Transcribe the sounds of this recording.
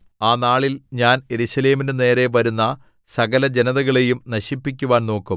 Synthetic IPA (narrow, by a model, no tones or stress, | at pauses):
aːnaːɭilɲaːnje̞ɾuɕɐleːminene̞ːɾe̞ʋɐɾunːɐ | sɐɣɐlɐd͡ʑe̞nɐðɐɣɐɭe̞jumnɐɕipːik̬ʲːuʋaːnno̞ːkːum